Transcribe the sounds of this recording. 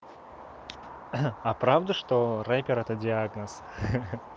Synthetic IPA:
apɾavd̪əʂt̪oɾapʲɪɾɛt̪ədʲɪaɡnəs

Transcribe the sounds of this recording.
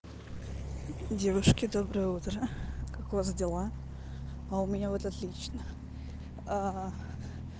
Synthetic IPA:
dʲe̞vʊʂkʲɪd̪o̞bɾɨjut̪rɐkakvazdʲelˠa | aumʲɪnʲavot̪at̪lʲit͡ʃnɐ | a

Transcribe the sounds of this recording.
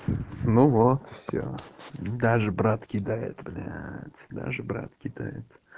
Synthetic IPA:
nuvot̪fsʲo̰d̪aʐɨbɾat̪kʲɪd̪ajɪ̰t̪blʲat̪ʲd̪a̰ʐɨbɾa̰t̪kʲɪd̪a̰jɪ̰t̪

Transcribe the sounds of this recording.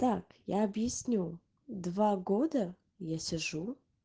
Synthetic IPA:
t̪akjaɐbjɪsʲnʲu | d̪vaɡod̪ə | jasʲɪʐu

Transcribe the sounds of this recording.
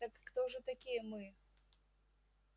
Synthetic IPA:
t̪ɐkːt̪ɔʐɨt̪akʲijɐmɨ

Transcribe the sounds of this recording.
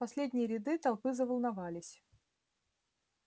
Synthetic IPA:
pɐsʲlʲedʲnʲɪjəɾʲɪd̪ɨt̪ɐlˠpɨzəvəlˠnavalʲɪsʲ

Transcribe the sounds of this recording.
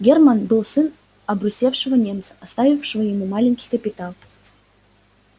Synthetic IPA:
ɡʲermanbɨlˠsɨn | ɐbɾusʲefʂɨvənʲemt̪sə̥ast̪avʲifʂɨvəjɪmumɑlʲɪŋʲkʲi̥jkəpʲɪt̪alˠ

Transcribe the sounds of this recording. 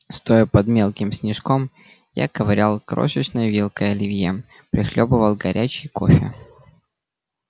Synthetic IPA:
st̪o̞jəpɐd̪mʲe̞lˠkʲɪmsʲnʲɪʂkom | ja̰kəvɾʲalˠkɾo̰ʂət͡ɕnəjəvʲelˠkəjɐlʲɪvʲje | pɾʲɪxlʲobəvəlˠɡɐɾʲʔæt͡ɕɪjko̞̰fʲɪ

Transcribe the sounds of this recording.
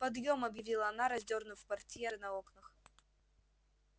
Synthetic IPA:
pɐd̪jo̞mɐbjɪvʲilˠəɐnaɾɐzʲdʲo̞rnʊfkvɐrtʲjeɾɨnɐoknəx

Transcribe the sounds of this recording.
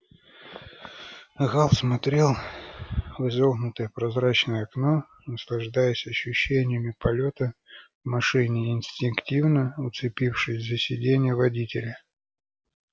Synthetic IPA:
ɣalˠsmɐt̪ɾʲe̞lˠ | vɨzoɣnʊt̪əjəpɾɐzɾat͡ɕnəjəɐkno̞ | nəslˠɐʐd̪ajəsʲɐɕːʉɕːenʲɪjəmʲɪpɐlʲo̞t̪ə | vmɐʂɨnʲɪɪnʲsʲtʲɪnktʲivnəʊt̪sɨpʲifʂɨsʲzəsʲɪdʲenʲɪjəvɐdʲitʲɪlʲɪ

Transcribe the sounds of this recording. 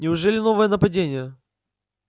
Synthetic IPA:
nʲɪʊʐɛlʲɪno̞vəjənəpɐdʲenʲɪjə

